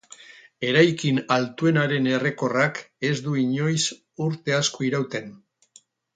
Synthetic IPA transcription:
e̞ɾajkinalt̪ue̞naɾe̞ne̞re̞ko̞rake̞zd̪uiɲo̞js | uɾt̪e̞askoiɾawt̪e̞n

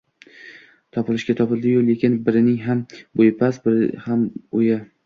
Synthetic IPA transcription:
t̪ʰɒpɪlɪʃɡʲat̪ʰɒpɪlˠd̪ɪjolˠekʲɪnbɪɾɪnɪŋɦambojpʰasbɪɾɪ̰hamoja

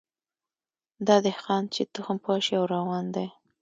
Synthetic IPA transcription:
d̪ɑd̪ɪhxɑnt͡ʃet̪ʊxampwɑʃiawɾɑwɑnd̪aj

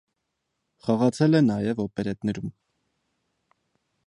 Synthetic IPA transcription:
χɑʁɑt͡sʰɛlɛnɑjɛvɔpɛɾɛt̪nɛɾum

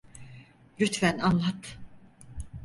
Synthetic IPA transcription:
ɾyt̪fænanlˠat̪ʰ

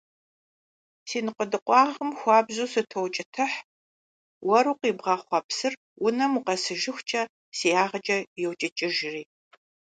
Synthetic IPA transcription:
siːnɨqədɨqʷʼɑːʁəmxʷɑːbzuːsɨtʰowt͡ʃʼɪtʰɐħ | wɐɾuːqiːbʁɑːχʷɑpsɨr | wʊnɐmuqɐsɨʒɪxʷt͡ʃʼɐ | siːjaːʁɐt͡ʃʼɐjɛwt͡ʃʼɐt͡ʃʼɪʒɪriː

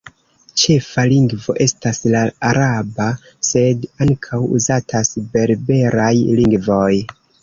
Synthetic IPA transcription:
t͡ʃe̞faliŋɡvo̞ʔe̞staslaaɾaba | se̞daŋkʰawṵzatʰasbe̞ɾbe̞ɾajliŋɡvo̞j

